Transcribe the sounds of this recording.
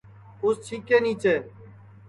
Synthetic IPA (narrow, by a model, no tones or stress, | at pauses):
ʊst͡ʃʰiːkeːniːt͡ʃeː